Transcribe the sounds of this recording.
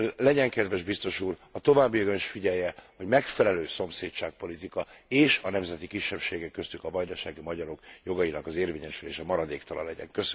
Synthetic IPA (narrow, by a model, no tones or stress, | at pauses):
lɛɟɛŋkɛd̪vɛʒbist̪o̞ʃuːrɒt̪o̞vaːbːijɒɡoniʃfiɟɛjɛho̞ɟmɛkfɛlɛløːso̞mseːtt͡ʃaːk̚po̞lit̪ikɒeːʃɒnɛmzɛt̪ikiʃːɛpʃeːɡɛkːøst̪ykɒvɒjd̪ɒʃaːɡimɒɟɒɾo̞kjo̞ɡɒjinɒkɒzeːrveːɲɛʃyleːʃɛmɒɾɒd̪eːkt̪ɒlɒ̰lɛɟɛ̰ŋkøs